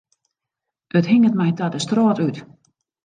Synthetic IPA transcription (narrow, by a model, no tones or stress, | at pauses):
ʔəthiŋətmɛjtadəstrɔːtyt